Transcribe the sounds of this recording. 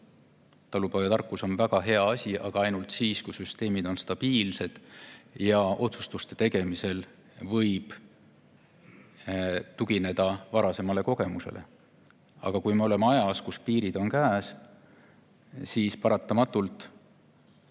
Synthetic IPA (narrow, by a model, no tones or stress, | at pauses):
t̪ɑlupojɑt̪ɑrkˑːuso̞nvæɡ̥ɑɦe̞ɑɑsʲiʔɑɡ̥ɑɑjnult̪siːskujsyst̪e̞ːmid̪̥o̞nst̪ɑb̥iːlse̞d̪̥jɑʔo̞t̪sust̪ust̪e̞̥t̪e̞ɡ̥e̞mise̞l | vɤjb̥ | t̪uɡ̥ine̞d̪̥ɑvɑɾɑse̞mɑle̞ko̞ɡ̥e̞muse̞̰le̞̰ | ɑ̰ɡ̥ɑkujmeo̞le̞meɑjɑskuspiːɾid̪̥o̞nkæːs | siːspɑɾɑt̪ˑːɑmɑt̪ˑːult̪ˑ